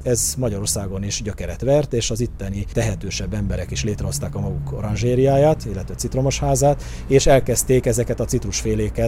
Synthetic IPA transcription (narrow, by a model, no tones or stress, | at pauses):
ɛzmɒɟɒɾo̞rsaːɡo̞niʃɟɒkɛɾɛt̪ʋɛrt̪eːʃɒzit̪ːɛnit̪ɛɦɛt̪øːʃɛbːɛmbɛɾɛkiʃleːt̪ɾɛɦo̞st̪aːkɒmɒɡuko̞̰ɾɒnʒeːɾijaːjaːt̪ilːɛt̪ʋɛt̪sit̪ro̞mo̞ʃhaːzaːt̪ | eːʃɛlkɛst̪eːkɛzɛkɛt̪ɒt̪sit̪ruʃfeːleːkɛ